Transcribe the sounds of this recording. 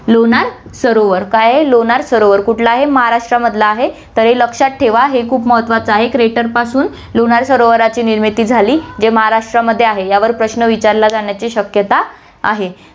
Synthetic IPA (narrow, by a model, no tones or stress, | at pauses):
loɳaɾsəɾoʋəɾkajaɦeloɳaɾsəɾoʋəɾkuʈʰlaːɦeməɦaɾaʂʈɾaməd̪ʱlaːɦet̪əɾɦeləkʂaʈ̪̚ʈʰeʋaɦekʰuːpməɦət̪ʋat͡səaɦekɾeʈəɾpasuːn | loɳaɾsəɾoʋəɾat͡ɕiːniɾmit̪iːd͡zʱaliːd͡ʑeməɦaɾaʂʈɾaməd̪ʱːjeaɦejaʋəɾpɾəɕnəʋit͡ɕaɾlad͡zaɳjat͡ɕiːɕəkjət̪a | a̰ɦe